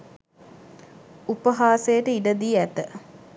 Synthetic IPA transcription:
upəɦaːsejəʈəiɖəd̪iːæt̪ə

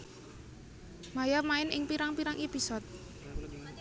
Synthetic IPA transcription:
majamaɪnɪŋpiɾaŋpiɾaŋʔepisɔt̪̚

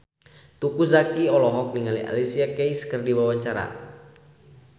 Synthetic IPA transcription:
t̪ukuzakiɔlɔɦɔk̚niŋalia̰lisiakejskərdiwawaɲt͡ʃaɾa̰

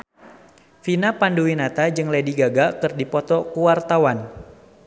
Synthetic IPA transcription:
finapanduwinat̪ad͡ʒɨŋlediɡaɡakɨrdipɔt̪ɔkuwart̪awan

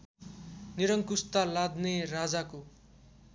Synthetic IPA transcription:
niɾʌŋkust̪alad̪nerad͡zako

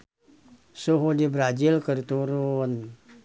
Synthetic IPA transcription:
suɦodibɾad͡ʒɪlkərt̪uɾʊn

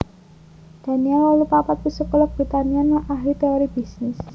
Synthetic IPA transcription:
d̪̥a̤niɛlɔlupapat̪̚pisəkəlɔk̚b̥ɾit̪anianaʔaɦlit̪eɔɾib̥isnɪs

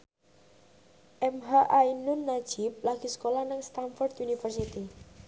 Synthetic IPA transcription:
ʔɛmɦaʔainʊnːad̥ʒ̥ip̚laɡ̥i̤sə̥kolanəŋst̪anfɔrd̪unifərsit̪i

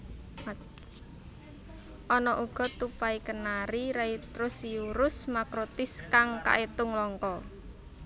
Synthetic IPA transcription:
ʔɔnɔʔuɡ̥ɔ̤t̪upaikənaɾiɾait̪ɾʊsiuɾʊsmakɾot̪ɪskaŋka̰ʔet̪ʊŋlɔŋkɔ

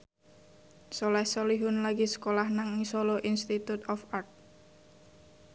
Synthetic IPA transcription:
sɔlɛhsoliɦʊnlaɡisə̥kolahnaŋisoloʔinst̪it̪ut̪ɔfart̪̚

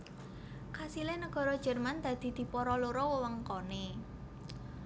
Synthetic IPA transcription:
kasilenəɡ̥ɔ̤ɾɔd̥ʒ̥ə̤rmand̪̥ä̤d̪̥i̤d̪̥i̤pɔɾɔloɾɔwəwəŋkɔne

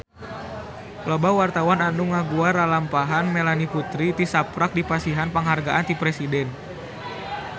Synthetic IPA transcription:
klɔbawart̪awananuŋaɡuaɾalampaɦanmelaniput̪ɾit̪isapɾak̚dipasiɦanpaŋɦarɡaʔant̪ipɾɛsidɛn

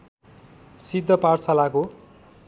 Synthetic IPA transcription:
sid̪ʱːʌparsalako

